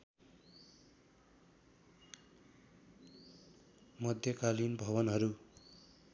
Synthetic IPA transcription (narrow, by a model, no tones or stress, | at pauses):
mʌd̪ʱjʌkalinbʱʌβʌnɦʌɾu